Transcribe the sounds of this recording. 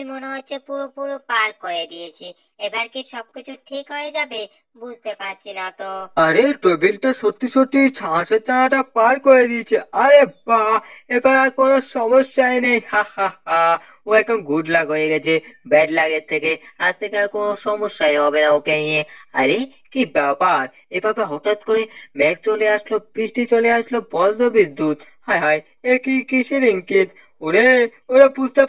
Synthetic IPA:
imoneɦot͡ʃʰepuɾopuɾopaɾkɔɾed̪iet͡ʃʰi | ebaɾkiʃɔb̚kit͡ʃʰuʈʰikɦɔed͡ʒabe | bud͡ʒʱt̪epaɾt͡ʃʰinat̪oaɾeʈobilʈasot̪ːisoʈːit͡ʃʰãset͡ʃãʈapaɾkɔɾed̪iet͡ʃʰeaɾebaekaɾaɾkonosɔmɔsjaeneĩhahaha | oɛk̚onɡʱuɖlaɡɦojeɡɛt͡ɕʰebɛʈlaɡeɾt̪ʰːekead͡ʑt̪ʰekeaɾkonoʃɔmoʃːaeɦɔbenaokeniea̰ɾe | kibapaɾ | ebabeɦɔʈat̪koɾemɛk̚t͡ɕoleaʃlobɾiʃʈit͡ɕoleaʃlopɔzd̪obid̪ut̪hajɦaj | eɾkikiʃiɾiŋkit̪ | oɾeoɾepust̪a

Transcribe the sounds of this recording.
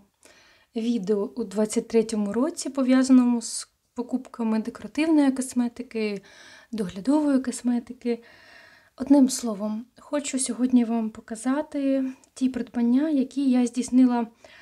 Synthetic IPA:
ʋʲid̪eɔud̪ʋɑt͡sʲːɐt̚ʲt̪ɾɛtʲɔmʊɾɔt͡sʲipɔʋʲjazɐnɔmʊs | pɔkupkɐmɪd̪ekɔɾɐt̪ɪwnɔjikɔsmɛt̪ɪkɪ | d̪ɔɦlʲɐd̪ɔʋɔjikɔsmɛt̪ɪkɪ | ɔd̪nɪmslˠɔʋɔmxɔt͡ʃʊsʲɔɦɔdʲnʲiʋɑmpɔkɐzɑt̪ɪtʲipɾɔd̪bɐnʲːajɐkʲijazʲdʲisnɪlˠɐ

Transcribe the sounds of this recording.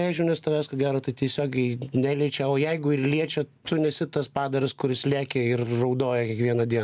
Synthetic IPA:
ɛɪʒʲʊnʲɛst̪ɐʋʲæːskoːɡʲæːɾot̪ɐɪt̪ʲiɛsʲoːɡʲɛɪnʲæːlʲiɛt͡ʃʲɛoːjɛɪɡʊɪrlʲiɛt͡ʃʲɛt̪ʊnʲɛsʲɪt̪ɐspɑːd̪ɐɾʲɪskʊɾʲɪslʲæːkʲɛɪrrɐʊd̪oːjɛkʲiɛkʋʲiɛnɐd̪ʲiɛn

